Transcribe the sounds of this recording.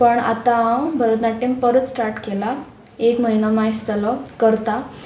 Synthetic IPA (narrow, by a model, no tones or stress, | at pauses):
pəɳa̰t̪abʱəɾət̪naʈimpəɾət͡ssʈaɾʈkela | ekməɦinamajst̪əlɔkəɾt̪a